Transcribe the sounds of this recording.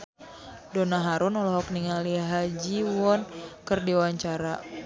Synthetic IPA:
donaɦaɾʊnɔlɔɦɔkniŋaliɦad͡ʒiwɔnkərdiwaɲt͡ʃaɾa

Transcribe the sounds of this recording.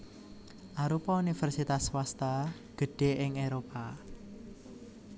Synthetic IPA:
ʔaɾupɔunifərsit̪aswast̪a | ɡ̥ə̤ɖ̥e̤ʔɪŋeɾopa

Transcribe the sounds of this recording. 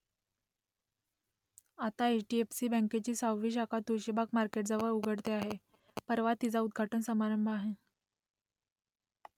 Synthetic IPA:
at̪aeʈiefsiːbə̃ŋket͡ɕiːsawʋiːɕakʰat̪uɾɕibakmaɾkeʈd͡zəʋəɾuɡʱəɽt̪eaɦe | pəɾʋat̪ːid͡zaud̪̚ɡʱaʈənsəmaɾəmbʱaɦe

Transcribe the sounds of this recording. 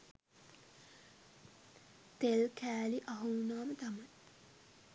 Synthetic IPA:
t̪elkʰæːliʔɐɦunaːmət̪amɐj

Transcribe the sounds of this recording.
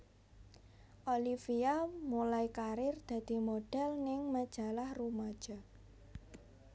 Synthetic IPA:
ʔolifiamulaikaɾɪrd̪̥ä̤d̪̥i̤moɖ̥ɛlnɪŋməd̥ʒ̥a̤lahrumad̥ʒ̥ɔ̤

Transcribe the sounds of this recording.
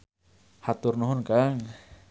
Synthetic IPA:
hat̪ʊrnuɦʊnkaŋ

